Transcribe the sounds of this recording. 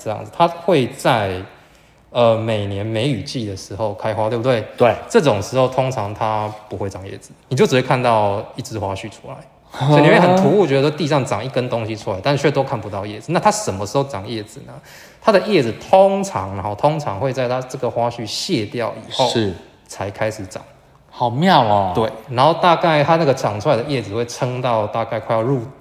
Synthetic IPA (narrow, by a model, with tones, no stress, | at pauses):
ə˥˧jɑ̰˥˩ŋd͡z̩˨˩t̪ʰa˦˥xwe˥˧ɪt͡sa˥˩ɪ | ə˨˩me˨˩ɪnjɛ˧˦nme˧˦ɪy˨˩t͡ɕi˥˩d̪ə˩ʂɻ̩˧˥xo˥˩ʊkʰa˥ɪxwa˦t̪o˥˩bu˧t̪we˥˩ɪt̪we˥˩ʈ͡ʂɤ˥˩ʈ͡ʂo˨˩ŋʂɻ̩˧˥ho˥˩ʊt̪ʰo˦˥ŋt͡sʰɑ˧˦ŋt̪ʰa˦˥pu˧˦xwe˥˩ɪʈ͡ʂɑ˨˩ŋjɛ̰˥˩d͡zɹ̩˩ni˨t͡ɕjo˥˩t͡sɻ̩˨˩we˥˩kʰa˥˧nt̪ɑ˥˧ʊi˥˩t͡sɹ̩˥˧xwa˦ɕy˥˩ʈ͡ʂʰu˦la˧˦ɪ˥˨ | ni˨˧˥we˥˩xə˨˩nt̪ʰu˧˥u˥˨t͡ɕɥwɛ˧˥də˧˩o˥t̪i˥˧ʂɑ˥˩ŋʈ͡ʂɑ˨˩ŋi˥˩kə˦nt̪o˦ŋɕi˦ʈ͡ʂʰu˥la˨˦ɪt̪a˥˧nt͡ɕʰɛ˥˧t̪o˥ʊkʰa˥˩npu˧˦t̪ɑ˥˧ʊjɛ˥˩d͡zɹ̩˩na˥˩t̪ʰa˦˥ʂə˨˩nmə˦˩ʂɻ̩˧˥xo˥˩ʊʈ͡ʂɑ˨˩ŋjɛ˥˩d͡zɹ̩˨˩nə˩ | t̪ʰa˦˥d̪ə˨jɛ˥˩d͡zɹ̩˨˩t̪ʰo˦˥ŋt͡sʰɑ˧˦ŋn˧˦ɔ˥˧˩t̪ʰo˦˥ŋt͡sʰɑ̰˧˦ŋxwe˥˧ɪt͡sa˥˧ɪt̪ʰa˥ʈ͡ʂə˥˩ɡə˩xwa˥ɕy˥˧ɕjɛ˥˧˨t̪jɑ˥˨˩ʊḭ˨˩xo˥˨ʊ˥˩ | t͡sʰa˧˥ɪkʰa˥ɪʂɻ̩˨˩ʈ͡ʂɑ̰˨˩˦ŋ | hɑ˨˩ʊmjɑ˥˨˩ʊa˨˩t̪we˥˩ɪna˧˥nxo˥˧ʊt̪a˥˧ka˥˩ɪt̪ʰa˦˥na˥˩ɡə˩ʈ͡ʂɑ˨˩ŋʈ͡ʂʰu˥la˧˦ɪd̪ə˨jɛ˥˩d͡zɹ̩˩xwe˥˩ɪt͡sʰə˦˥ŋt̪ɑ˥˧ʊt̪a˥˧ka˥˧ɪkʰwa˥˧ɪjɑ˥˧ɻu˥˧